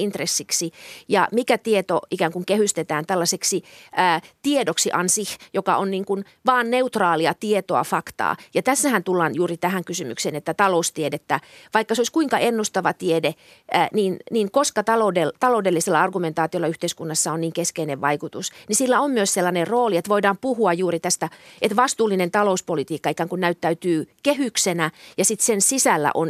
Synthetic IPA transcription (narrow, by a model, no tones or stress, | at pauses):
int̪resːiksijɑ̰mikæt̪iet̪oikæːŋkuŋkehyst̪et̪æːnt̪ælːɑseksiʔæːt̪iedoksiʔɑnsihjokɑʔonniːŋkun | ʋɑːnneut̪rɑːliɑt̪iet̪oɑ̰fɑkt̪ɑ̰ːjɑt̪æsːæhænt̪ulːɑːnjuːrit̪æhæŋkysymy̰kseːnet̪ːæt̪ɑloust̪iedet̪ːæʋɑikːɑseoiskuiŋkɑʔenːust̪ɑʋɑt̪iede | niːnniːŋkoskɑt̪ɑloudelt̪ɑloudelːiselːɑɑrɡument̪ɑːt̪iolːɑyht̪eiskunːɑsːɑoniːŋkeskeineʋʋɑikut̪usnisilːæommyøsselːɑnerroːliet̪ʋoidɑːmpuhuɑjjuːrit̪æst̪æet̪ʋɑst̪uːlːinent̪ɑlouspolit̪iːkːɑikæŋkunnæyt̪ːæyt̪yːkehyksenæjɑsit̪sensisælːæ̰ʔon